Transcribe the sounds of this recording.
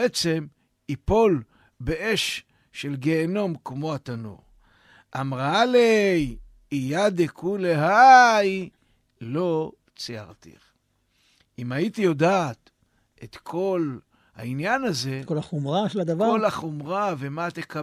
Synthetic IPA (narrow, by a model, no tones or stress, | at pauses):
et͡se̞m | ipo̞l | beʔeʃ | ʃe̞lɡe̞ːno̞mkmo̞at̪ano̰ʁ | ʔamʁalej | ijad̪ekʰuleɦaj | lo̞ | t͡sija̰ʁt̪ḭχ | imait̪ijo̞daːt̪ | et̪kʰo̞l | ha̰injanaze̞kolaχomʁaʃelad̪avaolaχomʁavemat̪eka